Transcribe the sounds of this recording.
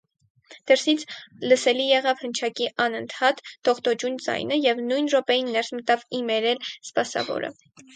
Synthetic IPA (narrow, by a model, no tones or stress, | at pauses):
d̪̥ɛɾsit͡sʰləsɛlijɛʁɑvhənt͡ʃʰɑkiʔɑnənt̪ʰɑt̪ːɔʁt̪ɔd͡ʒund͡zɑ̰jnəjɛvnujnʒɔpɛjinːɛɾsmət̪ɑvimɛɾɛlspɑsɑ̰vɔ̰ɾə̰